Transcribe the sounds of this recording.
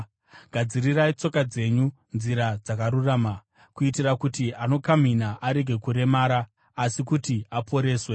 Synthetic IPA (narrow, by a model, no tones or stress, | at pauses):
ɡ̥ʱad͡zirirait͡so̞kad͡ze̞ɲu | nziɾad͡zakaɾuraːma | kuitirakutiano̞kam̤inaʔaɾe̞ɡʱe̞kuɾe̞maːɾaː | sikutiapʰo̞ɾe̞ːswe